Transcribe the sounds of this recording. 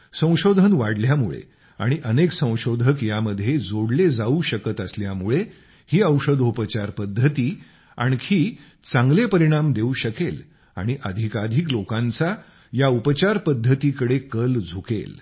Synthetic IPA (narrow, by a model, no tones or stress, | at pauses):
sə̃w̃ɕod̪ʱənʋaɽljamṵɭḛ | a̰ɽ̃iʔəneksə̃w̃ɕod̪ʱəkjaməd̪ʱːjed͡zoɽled͡zauɕəkət̪əsljamuɭe | hiːəwʂəd̪ʱupət͡ɕaɾpəd̪ʱːət̪iː | a̰ɽ̃ikʰiː | t͡sãŋɡlepəɾiɽ̃amd̪euɕəkel | a̰ɽ̃iʔəd̪ʱikad̪ʱiklokãnt͡sa | jaupət͡ɕaɾpəd̪ʱːət̪ikəɽekəld͡zʱukḛl